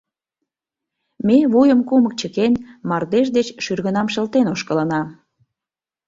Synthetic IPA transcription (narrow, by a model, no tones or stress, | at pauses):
meβujəmkumək̚t͡ɕəkenmɑrd̪eʃd̪et͡ɕʃyrɣənɑmʃəlt̪enoʃkələnɑ